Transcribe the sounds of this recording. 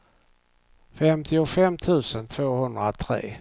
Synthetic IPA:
fɛmt̪ʰɪʊfɛmt̪ʰʉ̟ːsənt̪ʰv̥oːhɵnd̪ɾat̪ʰɾḛː

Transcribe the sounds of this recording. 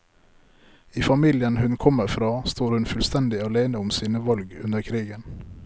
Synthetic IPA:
iːfɑmiːljənhʉnkʰɔməɾfɾɑːst̪oːɾhʉnfʉlst̪ɛnd̪ɪɑleːnəʊmsiːnəʋɑlɡʉ̰nəɾkʰɾiːɡən

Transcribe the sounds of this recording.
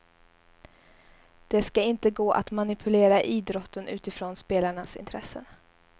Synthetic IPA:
d̪̥ɛskaɪnt̪əɡoːʔa̰t̪manɪpʰɵleːɾaʔiːd̪ɾɔt̪ːənʉ̟ːt̪ɪfɾoːnspeːlaɳasɪ̰nt̪ʰɾɛsːə̰n

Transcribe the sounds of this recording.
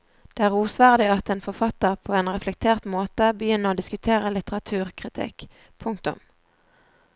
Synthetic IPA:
d̪̥eːæːʁuːsʋæːʁd̪ɪɑt̪ɛːnfɔʁfɑt̪ːəʁpʰoːeːnʁɛflɛk̚t̪ʰeːʁt̪moːt̪əbəjʏnːəʁoːd̪ɪskʉt̪ʰeːʁəlɪt̪əʁɑt̪ʰʉːʁkʰʁɪt̪ʰɪ̰k | pʰʊŋkt̪ʊ̰m

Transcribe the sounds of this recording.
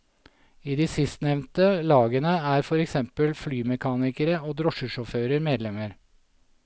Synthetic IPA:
iːd̪iːsɪst̪nɛʋnt̪əlɑːɡənəæːɾfɔɾɛksɛmpəlflyːmɛkʰɑːnɪkəɾəoːd̪ɾɔʃəʃɔføːɾəɾmeːd̪lɛməɾ

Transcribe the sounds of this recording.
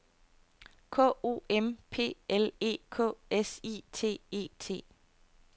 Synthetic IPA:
kʰɔ̰ːo̝̰ːempʰe̝̰ːele̝̰ːkʰɔ̰ːesit͡sʰe̝̰ːe̝̰ːt͡sʰe̝̰ː

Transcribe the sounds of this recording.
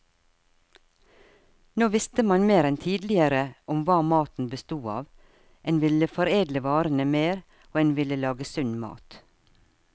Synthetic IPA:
noːʋɪst̪əmɑnmeːɾɛnt̪ʰiːd̪lɪəɾəʔʊmʋɑːmɑːt̪n̩bəst̪uːɑ̰ːʋ | ʔɛːnʋɪləfɔɾeːd̪ləʋɑːɾən̩əmeːɾ | oːeːnʋɪləlɑːɡəsʉnmɑ̰ːt̪

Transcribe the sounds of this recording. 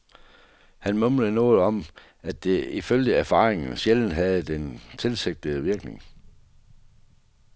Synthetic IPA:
hænmɔmləð̩ˠnɔ̽ːð̞̩ˠɒ̽m | æd̥eiføljəæɐfɑ̈ːʁeŋn̩ɕeln̩ɦæð̞̩ˠd̥ent͡sʰe̝lseɡ̥̚d̥əʋiɐɡ̥ne̝ŋ

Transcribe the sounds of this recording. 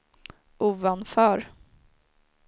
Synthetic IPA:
ʔuːvanfœːɾ

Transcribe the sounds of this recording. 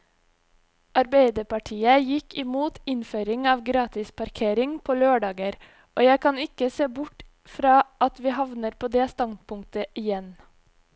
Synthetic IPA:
ʔɑɾbæɪd̪əpɑʈʰiːəjɪkɪmuːt̪ɪnføːɾɪŋɑːʋɡɾɑːt̪ɪspʰɑɾkʰeːɾɪŋpʰoːløːɖɑːɡəɾ | ʔoːjæɪkʰɑnɪkəseːbʊʈ | fɾɑːʔɑt̪ʋiːhɑʋnəɾpʰoːd̪eːst̪ɑnd̪̚pʊŋk̚t̪əʔɪjɛn

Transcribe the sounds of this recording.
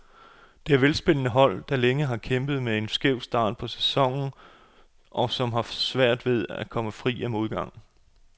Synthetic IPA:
d̥e̝æɐʋelsb̥e̝n̰ənəɦɒ̽l̰d̥ɑ̈leŋəɦɑ̈kʰemb̥ð̩ˠmee̝nsɡ̥eʊ̰sd̥ɑ̈ːd̥̚pʰɒ̽sæ̥sɒ̽ŋ̰n̩ | ʔɒ̽sɒ̽mɦɑ̈sʋæɐ̰d̥ʋe̝ð̞ˠækʰɒ̽məfʁḭːɒmo̝ðˠɡ̥ɑ̈ŋ̰

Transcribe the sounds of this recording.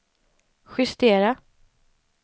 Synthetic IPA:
ɧʏst̪eːɾa

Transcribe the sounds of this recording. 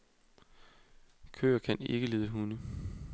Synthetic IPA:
kʰø̰ːɐkʰæne̝ɡ̥əle̝ːðˠəɦunə

